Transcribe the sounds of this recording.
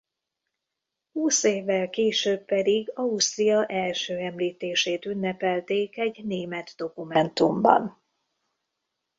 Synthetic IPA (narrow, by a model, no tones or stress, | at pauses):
huːseːvːɛlkeːʃøːbːɛd̪iɡɒust̪ijɒʔɛlʃøːɛmliːt̪eːʃeːt̪ynːɛpɛlt̪eːkɛɟneːmɛd̪d̪o̞kumɛnt̪umbɒ̰n